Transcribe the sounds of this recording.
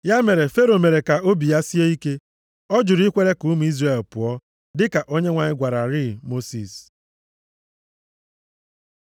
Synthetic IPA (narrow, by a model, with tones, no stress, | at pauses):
ja˦me˨ɾe˨fe˦ɾo˨me˨ɾe˨ka˨o˦bi˨ja˦si˦e˦i˦ke˦ | ɔ˦d͡ʒʊ˨ɾi˦kʷe˦ɾe˦ku˨˦m˨˦i˦zre˦˨lpʊ˨ɔ˦ | dɪ˦ka˨ʔo˦ɲe˦ŋʷa˨ɲɪ˦ɡʷa˨ɾa˨ɾɪ˦mo˦si˨s